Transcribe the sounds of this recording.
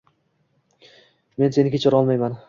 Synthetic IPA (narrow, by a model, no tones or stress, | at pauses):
me̞nse̞nɪkʲʰet͡ʃʰɒɾɒlˠmajman